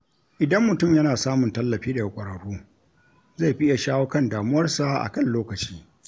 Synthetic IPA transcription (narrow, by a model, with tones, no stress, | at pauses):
ʔɪ˨dɐ˦mːʊ˨tʊ˦˨mjɐ˦naː˨saː˦mʊ˨ntɐ˦lːɐ˨ɸiː˦da˨ja˦˨kʷʼɐ˨ɾɐ˨ɽuː˦ | za˦˨jɸɪ˦ja˨ʃaː˦wo˦kɐ˦ndaː˨mʊ˦wɐ˦rsa˨ʔa̰˨kɐ˦nloː˦kɐ˨t͡ʃiː˦